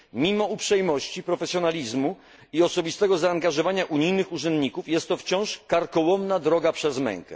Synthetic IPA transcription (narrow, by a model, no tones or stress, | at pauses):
mʲimɔupʂɛjmɔɕt͡ɕipɾɔfɛsʲjɔnalʲizmu | iɔsɔbʲist̪ɛɡɔzaːŋɡaʐɔvaɲaʔuɲijnɘxuʐɛnd̪ɲikufjɛst̪ːɔft͡ɕɔ̃w̃ʂkaɾkɔwɔmnad̪ɾɔɡapʂɛzmɛ̰̃ŋkɛ̰